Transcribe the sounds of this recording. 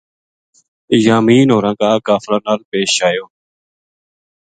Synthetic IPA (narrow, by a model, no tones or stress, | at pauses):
jaːmiːnɦoːɾãːkãːkaːfɾãːnaːlpeːʃaːjoː